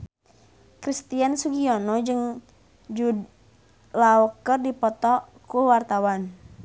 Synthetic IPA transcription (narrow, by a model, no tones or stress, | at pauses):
kɾist̪iansuɡiɔnɔd͡ʒɨŋ | d͡ʒud | laɔkərdipɔt̪ɔ | kuwart̪awan